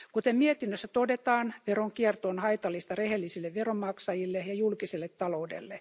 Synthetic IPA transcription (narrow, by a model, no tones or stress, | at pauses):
kut̪emmiet̪inːøsːæt̪odet̪ɑːnʋeroŋkiert̪oːnhɑit̪ɑlːist̪ɑrehelːisilːeʋʋeromːɑksɑjilːejɑjulkiselːet̪tɑloudḛlːe